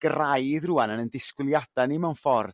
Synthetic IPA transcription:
ɡ̥rajðruanənəndɪskwɪlˠjadanɪmawnfɔrd

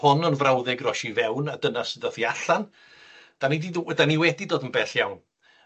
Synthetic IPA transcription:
hʊnənvrawðɛɡrɔʃivɛwnadənasəðəθiaɬan | d̥anidiðdaniwɛdidoːdənbɛːɬjawn

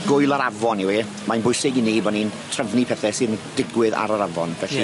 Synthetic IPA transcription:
ɡ̥ʊjlˠaɾavɔniwi | manbʊɨsɪɡɪnibɔnintʰrəvnipʰɛθɛsɨːðd̥ɪɡwɪða̰ɾaɾavɔnvɛɬi

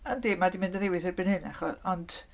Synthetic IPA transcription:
əndiːmadimɪndənewɪθɪrbɪnhɨna̰χɔɔnd

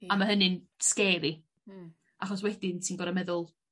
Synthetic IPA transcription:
amaɦənɨn | skɛːɾi | ʔaχɔs̬wɛdɪntʰinɡɔɾamɛðʊlˠ

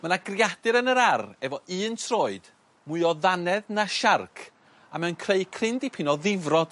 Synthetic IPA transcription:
mənaɡrjadɨɾənəɾarɛvɔʔɨːntʰroːɨd̥ | mʊɨɔðanɛðnaʃarkʰ | amɛnkʰreɨkʰrɪndipʰɪnɔðɪvrɔd̥

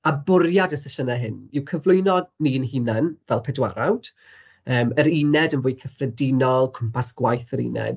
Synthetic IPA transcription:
abʊɾjadəsɛʃənaɦɪnɪwkʰəvlˠʊɨnɔdninɦinɛnvɛlˠpʰɛdwa̰ɾawd̥ | əːməɾinɛdənvʊːjkʰəfrɛdɪnɔlˠkʰʊmpʰasɡ̥wajθəɾḭnɛ̰d̥

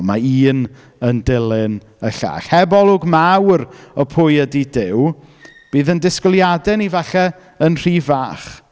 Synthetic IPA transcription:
maiːn | əndɪlˠɪn | əɬa̰ːɬhɛbɔlˠʊɡmawrɔpʰʊjədidɪw | b̥iːðəndɪskɔlˠjadɛnivaɬɛ | ənr̥iːvaːχ

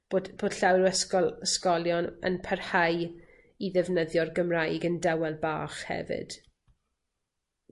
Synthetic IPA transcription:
b̥odb̥oːd̥ɬawɾɛskɔlskɔljɔnə̰npʰɛrhaj | iðɛvnəðjɔrɡəmrajɡəndɛwɛlˠba̰ːχhɛ̰vɪ̰d̥

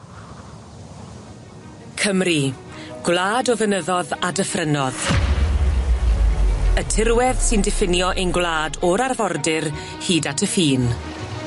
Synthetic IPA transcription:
kʰəmri | ɡ̥wlˠaːdɔvənəðɔðadəfrənɔð | ətʰɪrwɛðsɪndɪfɪnjɔʔejnɡwlˠaːdɔɾarvɔrdɪr | hiːdatʰəfiːn

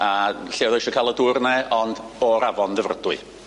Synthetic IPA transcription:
aɬeːwðɔjʃɔkʰalˠədʊrnɛɔnd̥ɔɾavɔnðɛvrədʊɨ̰

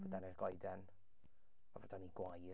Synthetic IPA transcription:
vədanirɡɔjdɛn | mavɔdaniɡwaj

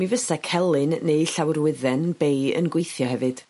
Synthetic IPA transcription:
mivəsɛkʰɛlˠɨnːeɨɬawrwɪðɛnb̥ejə̰nɡwejθjɔɦɛvɨd̥

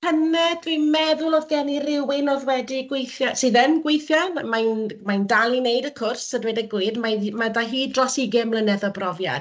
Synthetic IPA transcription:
hənɛdimɛðʊlˠɔðɡɛnirɪwɪnɔðwɛdiɡwejθjasɨːðənɡwejθjanmajnmajndalˠinejdəkʰʊrsədwedəɡwɪɨdmamadaɦiːdrɔsiɡɪmlˠənɛðɔbrɔvja̰d̥

